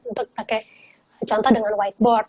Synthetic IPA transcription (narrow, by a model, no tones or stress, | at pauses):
unt̪ʊk̚pakɛ | t͡ʃɔnt̪ɔdəŋanwaik̚bɔr